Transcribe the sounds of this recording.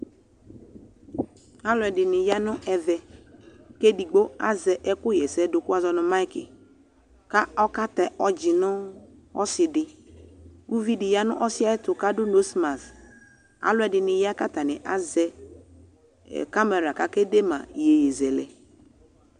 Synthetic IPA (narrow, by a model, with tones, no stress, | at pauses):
a˦lʊ˨˦ɛ˨dɪ˨nɪ˨ja˦nʊ̃˦ɛ˨vɛ˨ | ke˦di˨ɡ͡bo˦a˦zɛ˨ʔɛ˦kʊ˦jɛ˨sɛ˦dʊ˨kʊ˦a˦zɔ˦nʊ̃˦ma˦ɪ˦kɪ̰˨ | ka˦ɔ˦ka˦tɛ˨ʔɔ˦d͡ʒɪ˨nʊ˦ | ɔ̰˦sɪ˨dɪ˨ | wu˦vi˦dɪ˨ja˦nʊ̰˦ʔɔ˦sɪ˦a˦ɛ˦tʊ˨ka˦dʊ˦no˦sma˨s | a̰˨lʊ˦ɛ˨dɪ˨nɪ˨ja˦ka˦ta˨nɪ˨ʔa˦zɛ˦˨ | ka˦mɛ˨ɾa˨ka˦ke˦de˦mã̰˨je˨je˨zɛ˨lɛ˨